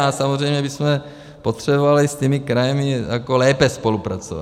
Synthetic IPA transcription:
asamozrɛjmɲɛbismɛ | pot̪r̥ɛbovalist̪imikɾajɛmijakolɛːpɛspolupɾat͡so̰va̰

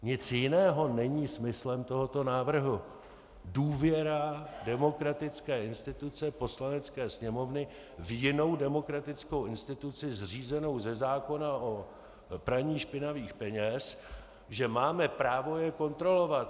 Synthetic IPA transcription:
ɲɪt͡sjɪnɛːɦo̞nɛɲiːsmɪslɛmt̪o̞ɦo̞t̪o̞naːvr̩ɦu | duːvjɛɾadɛmo̞kɾat̪ɪt͡skɛːɪnst̪ɪt̪ut͡sɛpo̞slanɛt͡skɛːsɲɛmo̞vnɪ | vjɪno̞wdɛmo̞kɾat̪ɪt͡sko̞wʔɪnst̪ɪt̪ut͡sɪzr̝iːzɛno̞wzɛzaːko̞naʔo̞ | pɾaɲiːʃpɪnaviːxpɛɲɛs | ʒɛmaːmɛpɾaːvo̞jɛko̞nt̪ɾo̞lo̞vat̪

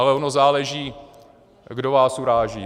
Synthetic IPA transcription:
alɛonozaːlɛʒiː | ɡdo̞vaːsuɾaːʒḭː

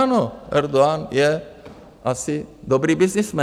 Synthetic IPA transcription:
noɛɾd̪oanjɛ | asɪd̪ɔbɾibɪsnɪsmɛ

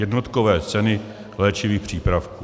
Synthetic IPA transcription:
jɛdnot̪kovɛːt͡sɛnɪ | lɛːt͡ʃɪviːxpr̝̥iːpɾafkuː

